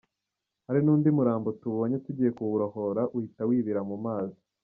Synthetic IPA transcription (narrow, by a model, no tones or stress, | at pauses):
haɾinuːndimuɾaːmbotuβo̞ːɲetuɟiːje̞kuwuɾo̞ho̞ɾaʔuhitawiːβiɾamumaːzi